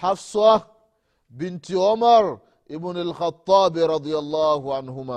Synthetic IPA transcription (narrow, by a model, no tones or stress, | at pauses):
ħafsɑ | bɪnt̪iʕʊmaɾˤ | ʔɪbnalxɑt̪ˤːɑːbɾˤɑd̪ˤɪjɑlˤːɑːhʊʕanhʊmaː